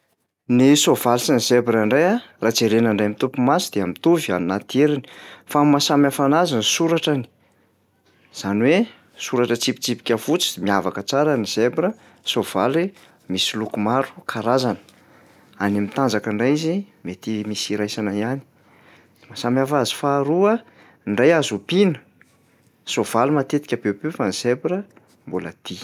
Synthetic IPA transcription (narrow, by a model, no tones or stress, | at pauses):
nisov̥alisinizebiɾaɳɖ͡ʐajarat͡seɾenaɳɖ͡ʐajamit̪upumasid̪̥eamit̪uvianinat̪ieɾini̥famasamafanazansuɾaʈ͡ʂani̥ | z̥aniwe | suɾaʈ͡ʂət͡sipi̥t͡sipi̥kʲafut͡si̥miavakət͡saɾəniz̥ebɾə | sov̥ali | misilukumaɾu̥kʰaɾazanə̥ | anemit̪and͡zakəɳɖ͡ʐajizimet̪imisiɾajsanaiani̥ | asamiafazi̥faːɾuə | ɳɖ͡ʐajazupinə̥ | sov̥alumat̪et̪i̥kʲabepefaniz̥ebiɾə | mbulə̰d̪̥i